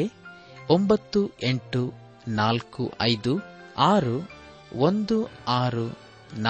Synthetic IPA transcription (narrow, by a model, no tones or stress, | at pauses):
e | ombɐt̪ːue̞ɳʈu | naːlkṵʔɐjd̪uaːɾu | ond̪uaːɾu | n